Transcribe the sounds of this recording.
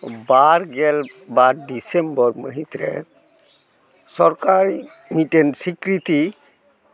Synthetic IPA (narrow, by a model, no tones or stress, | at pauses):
baɾɡɛl | baɾɖisembɔɾmə̰ɦit̪ɾɛ̰ | sɔɾkaɾi | miʈensikɾit̪i